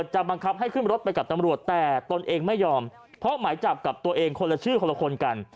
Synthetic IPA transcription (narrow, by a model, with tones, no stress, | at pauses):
ə˩t̪̚t͡ɕa˨˩ba˧ŋkʰa˦˥p̚ɦa˥˩jkʰɯ˥˩nɾo˦˥t̪̚pa˧jka˨˩p̚t̪a˧mɾu˨˩ət̪ːɛː˨˩t̪o˧nʔeː˧ŋma˥˩jːɔː˧m | pʰɾɔ˦˥maː˩˦jt͡ɕa˨˩p̚ka˨˩p̚t̪u˧ɐʔeː˧ŋkʰo˧la˧t͡ɕʰɯː˥˩kʰo˧la˧kʰo˧nka˧n